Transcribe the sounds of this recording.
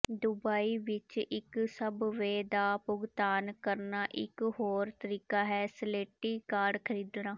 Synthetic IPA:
d̪ʊbaːiːʋɪt͡ʃɪksəbʋeːd̪aːpʊɡt̪aːnkəɾnaːʔɪ̰kɦoːɾt̪əɾiːkaːɦɛːsəleːʈːiːkaːɖkʰəɾiːd̪naː

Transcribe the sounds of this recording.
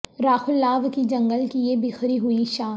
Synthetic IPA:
ɾaːxʊlːaːʋkid͡ʒɐ̃ŋɡəlkijebɪxɾiɦuiʃaː

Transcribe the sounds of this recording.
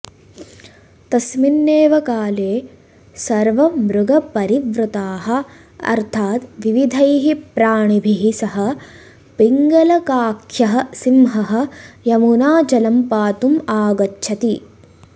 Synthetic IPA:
t̪ɐsminːeːʋɐkaːleː | sɐɾʋɐmɾuɡɐpɐɾiʋɾut̪aːɦɐ̆ | ɐ̰ɾt̪ʰaːt̪ʋiʋid̪ʱɐjɦipɾaːɳibʱiɦisɐɦɐ̆ | piŋɡɐlɐkaːkʰjɐɦɐsimɦɐɦɐ̆jɐmunaːd͡ʒɐlɐmpaːt̪umaːɡɐtːʃʰɐt̪i

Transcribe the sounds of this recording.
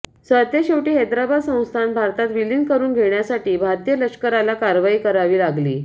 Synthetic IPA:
sət̪jəɕewʈiːɦed̪ɾabad̪sə̃w̃st̪ʰanbʱaɾt̪at̪ʋiliŋkəɾuːnɡʱeɳjasaʈiːbʱaɾt̪ijələkʂkəɾalakaɾʋaiːkəɾaʋiːlaɡlḭː

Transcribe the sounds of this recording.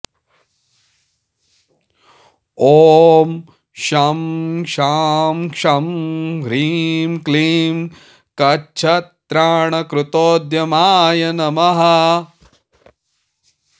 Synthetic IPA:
oːm | ʃɐmʃaːmkʂɐmɡɾiːmkliːm | kɐt͡ʃʰɐt̪ːɾaːɳɐkɾut̪oːd̪jɐmaːjɐnɐmɐɦɐ

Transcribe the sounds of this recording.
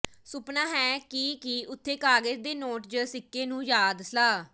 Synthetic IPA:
sʊpnaːɦɛːkikiʊt̪ʰːeːkaːɡəd͡ʒd̪eːnoːʈd͡ʒəsɪkːeːnũːjaːd̪slaː

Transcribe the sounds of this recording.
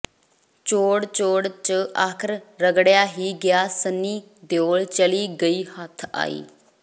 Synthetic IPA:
t͡ʃoːɽt͡ʃoːɽt͡ʃəaːkʰɾɾəɡɽɪjaːɦiːɡɪjaːsənːiː | d̪joːɭt͡ʃəliːɡəiːhət̪ʰa̰ːḭː

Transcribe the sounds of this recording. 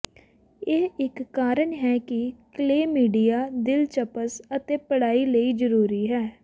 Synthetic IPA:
eːɪkːaːɾəɳɦɛːkɪkleːmiːɖijaːd̪ɪlt͡ʃəpəsət̪eːpəɽaːiːləiːd͡ʒəɾuːɾiːɦɛː

